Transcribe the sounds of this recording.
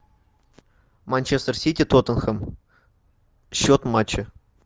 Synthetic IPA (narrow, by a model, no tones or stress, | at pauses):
manʲt͡ɕest̪ərsʲitʲit̪ot̪ɤ̆nxəm | ɕːot̪mɑt͡ɕɪ